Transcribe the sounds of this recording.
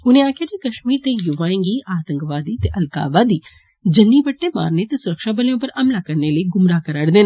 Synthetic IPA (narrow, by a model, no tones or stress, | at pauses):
ʊnẽːaːkʰɪjaːd͡ʒiːkəʃmiːɾt̪eːjʊʋaːɪ̃ŋɡiːʔaːt̪əŋkʋaːd̪iːt̪eːʔəlka̰ːʋaːd̪iː | d͡ʒənːiːbəʈːeːma̰ːɾneːt̪eːsʊɾəkʃaːbəljõːpəɾəmlaːkəɾneːləiɡʊmɾaːkəɾəɽd̪eːn